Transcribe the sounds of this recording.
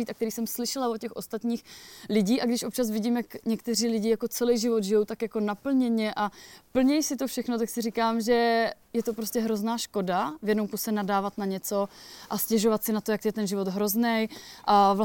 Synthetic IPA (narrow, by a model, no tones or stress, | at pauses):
iːt̪ʔakt̪ɛɾiːsɛmslɪʃɛlavocɛxʔo̞st̪at̪ɲiːxlɪɟiːʔaɡdɪʃʔo̞p̚t͡ʃas̬vɪɟiːmjakɲɛkt̪ɛriːlɪɟɪjako̞t͡sɛlɛjʒɪvod̪ʒɪjo̞wt̪akjako̞napl̩ɲɛɲɛʔapl̩ɲɛjsɪt̪o̞fʃɛxno̞t̪aksɪrikaːmʒɛ | jɛt̪o̞pɾo̞scɛɦɾo̞znaːʃko̞davjɛdnowkusɛnadaːvat̪naɲɛt͡so̞ʔascɛʒo̞vat̪sɪnat̪ojakt̪jɛt̪ɛnʒɪvo̞d̪ɦɾo̞znɛjʔavla